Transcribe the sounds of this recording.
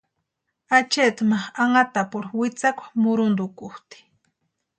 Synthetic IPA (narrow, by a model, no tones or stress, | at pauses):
at͡ʃet̪maχaŋat̪apʊɾwɪt͡sakʷḁmʊɾʊnd̪ʊkʊht̪i̥